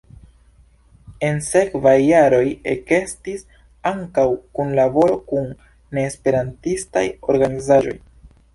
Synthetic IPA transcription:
e̞nse̞kvajːaɾo̞jeke̞stis | aŋkawkunlabo̞ɾo̞kunː | e̞ːspe̞ɾantista̰jo̞ɾɡanizaʒo̞̰j

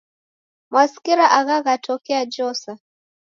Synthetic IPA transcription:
mwaskiɾaʔaɣaɣatʰɔkɛad͡ʒɔsa

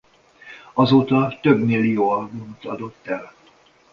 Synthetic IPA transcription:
ɒzoːt̪ɒt̪øbmilːijoːɒlɡunot̪ɒd̪o̞t̪ːɛl

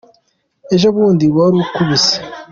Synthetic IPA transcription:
e̞ʒoβuːndiβaɾukuβise̥

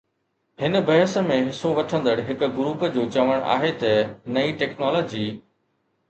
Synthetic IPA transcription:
hɪnə̆bɐɦəsə̆mẽɦɪsoʋɐʈʰə̃nd̪əɽɦɪkʊ̆ɡʊɾuːpəd͡ʑoːt͡ɕɐʋəɽ̃ʔa̰ːɦet̪ɐnɐiʈɛːknɔːloːd͡ʑiː

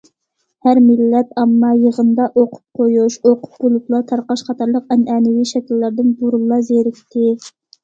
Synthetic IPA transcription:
hæɾmɪlːɛpɑmːɑjəʁənd̪ɑʔoqʰʊ̥p̚qʰojuʃoqʰʊ̥p̚bolˠuplˠɑt̪ʰɑɾqɑʃχɑt̪ʰɑɾlˠəqɛnʔɛnɪwiʃɛkʲilːæɾd̪ɪnbuɾulˠɑzeɾɪkʲt̪ʰɪ

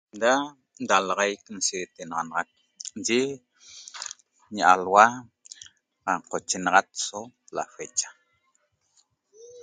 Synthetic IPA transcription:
d̪a | nd̪alɑʁajkn̩set̪enɑʁɑnɑʁɑk̚ | d͡ʒe | ɲaʔalwa | aqot͡ʃenɑʁɑt̪̚sola̰fet͡ʃḁ

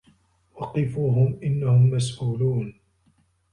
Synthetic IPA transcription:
wɑqɪfuːɦʊmʔɪnːahʊmːas̬ʔuːluːn

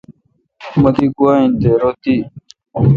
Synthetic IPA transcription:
mɐd̪ikuaːĩnd̪eːɾoːt̪i

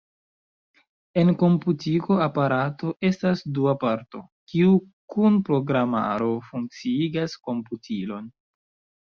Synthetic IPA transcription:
e̞nko̞mputiko̞apaɾato̞ʔe̞stasduapaɾto̞̰ | kiu | kunpɾo̞ɡɾama̰ɾo̞fuŋk̚t͡siiɡasko̞mputʰilo̞n

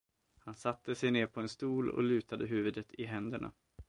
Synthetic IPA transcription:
hansat̪ːəsɛjneːɾpʰɔɛnst̪uːlɔ̰lʉ̟ːt̪ad̪əɦʉ̟ːvɵd̪ət̪ʰɪɦɛnd̪əɳa̰

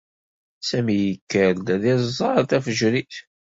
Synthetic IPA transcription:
sæmijəkːəɾd̪æðizˤːɑɾˤt̪æfəʒɾiθ

